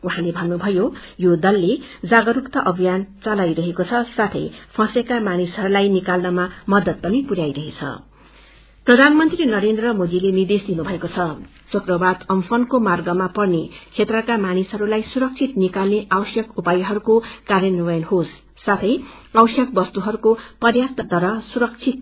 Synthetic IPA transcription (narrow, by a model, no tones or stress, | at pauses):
uɦãlebʱʌnnubʱʌjojod̪ʌlːed͡zaɡʌɾukt̪ʌʔʌbʱijant͡sʌlajɾʌɦekot͡sʰʌsat̪ʰʌjpʰʌ̃sekamanisɦʌɾulajnikalnʌmamʌd̪ʌt̪̚pʌnipuɾjajɾʌɦet͡sʰʌ̰ | prʌd̪ʱanmʌnt̪rinʌɾend̪rʌmod̪ilenird̪esd̪inubʱʌekot͡sʰʌ | t͡sʰukrʌbad̪ʌmfʰʌnkomarɡʌmapʌrnet͡sʰet̪rʌkamanisɦʌɾulajsuɾʌk̚t͡sʰit̪nikalneʔawʌsjʌkupajɦʌɾukokaɾjʌnʌbʌjʌnɦosː | at̪ʰʌj | awsjʌk̚bʌst̪uɦʌɾukopʌrjapt̪ʌt̪ʌɾʌsuɾʌk̚t͡sʰit̪̚